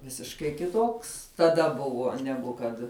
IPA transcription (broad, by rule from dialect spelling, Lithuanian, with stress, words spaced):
ˈʋʲɪsʲɪʃkɐɪ kʲɪˈtoːks tɐˈdɐ ˈbʊʋuɔ ˈnʲæːɡʊ kɐt